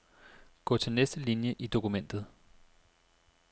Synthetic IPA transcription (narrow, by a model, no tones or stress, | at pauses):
ɡ̥ɔ̰̽ːt͡sʰe̝lnesd̥əlinjəʔid̥o̝kumen̰d̥ð̩ˠ